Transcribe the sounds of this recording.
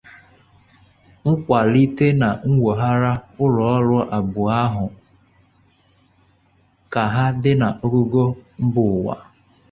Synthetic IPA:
ŋ̩˦kʷa˨li˦te˦na˨ŋ̩˦wo˨ɦa˦ɾa˦ʊ˦ɾɔ˨ɔ˦ɾʊ˦ʔa˨bʊ˨a˦ɦʊ˨ | ka˨ɦa˦dɪ˦na˨ʔo˦ɡo˦ɡo˦m̩˦bʊ˨wa̰˨

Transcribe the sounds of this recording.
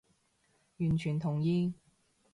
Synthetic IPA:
jyː˨˩nt͡ʃʰyː˨˩nt̪ʰʊ˨˩ŋjiː˧

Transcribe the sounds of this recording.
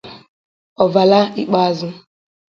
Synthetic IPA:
ɔ˨va˨la˦i˦k͡pa˦zʊ˦

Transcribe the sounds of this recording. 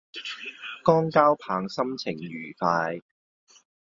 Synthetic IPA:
kɔː˥ŋkaː˥wpʰaː˨˧ŋsɐ˥mt͡sʰɪ˨˩ŋjyː˨˩faː˧j

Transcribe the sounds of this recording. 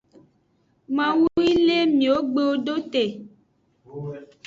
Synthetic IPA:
mã˨wu˦i˦le˦mĩ˨wo˦ɡ͡be˦wo˦ɖo˦t̪e˨

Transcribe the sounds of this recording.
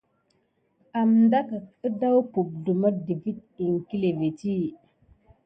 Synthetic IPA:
a˨mnda˦ka˨ə˦da˦wpu˨b̚du˨ma˦di˨vi˦t̚i˨ŋki˦le˨ve˨ti˦

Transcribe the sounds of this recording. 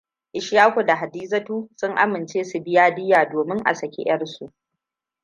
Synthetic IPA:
ʔɪ˨ʃjaː˦kʷo˨da˨ɦa˨diː˦zɐ˦tuː˦sʊ˦ŋʔa˦mɪ˨nt͡ʃeː˦su˨bɪ˦jaː˦dɪ˦jaː˨doː˨mɪ˦ŋʔa̰˨sɐ˨kʲḛ˦j̰ɐ˦rsu˨ʔ

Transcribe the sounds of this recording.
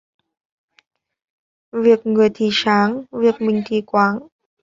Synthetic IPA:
vi˨˩ək̚ŋɨ˨˩əjt̪ʰi˧˨˩saː˨˦ŋvi˨˩ək̚mï˨˩ŋ̟t̪ʰi˧˨˩kwaː˨˦ŋ

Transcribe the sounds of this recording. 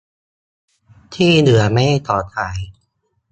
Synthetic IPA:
t̪ʰiː˥˩nɯ˩˦ɐma˥˩jt̪ʰɔː˨˩t̪̚ʰhaː˩˦j

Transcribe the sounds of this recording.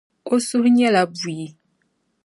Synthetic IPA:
o˦su˦hɲɛ˦la˨bu˨ji˨

